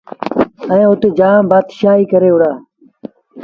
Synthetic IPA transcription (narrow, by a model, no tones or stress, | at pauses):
əẽːʊt̪eːd͡ʒaːbaːd̪ʃaːɦiːkəɾeːʊɽaː